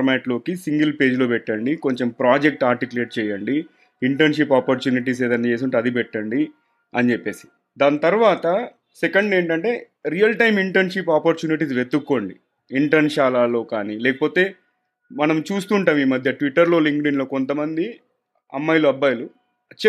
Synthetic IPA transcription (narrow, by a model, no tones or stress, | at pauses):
mɛːʈlo̞ːkisiŋɡɐlpe̞ːd͡ʒlo̞ːpɛʈːɐɳɖiko̞ɲt͡ʃempɾaːd͡ʒek̚ʈaːɾʈikule̞ːʈ̚t͡ʃɛːjɐɳɖi | iɳʈɐɾnʂipaːpɐɾt͡ʃuːniʈ̬iːs̬eːd̪ɐnɐt͡ʃe̞ːs̬uɳʈɐd̪ipɛʈːɐɳɖi | ɐnit͡ʃepːe̞ːsi̥ | d̪aːnt̪ɐɾuʋaːt̪ɐ | sekɐɳɖe̞ːɳʈɐɳʈe̞ː | ɾijɐlʈɐjmiɳʈɐɾnʂipaːpɐɾt͡ʃuːniʈ̬isʋet̪ːukːo̞ːɳɖiː | ɳʈɐɾnʃaːlaːlo̞ːkaːniːlɛːkɐpo̞ːt̪e̞ː | mɐnɐmt͡ʃuːst̪uːɳʈaːmiːmɐd̪ʱjɐʈʋiʈːɐɾlo̞ːliŋkɖinlo̞ːko̞nt̪ɐmɐnd̪i | ɐ̰mːɐjluɐbːɐːjɐlu | t͡ʃ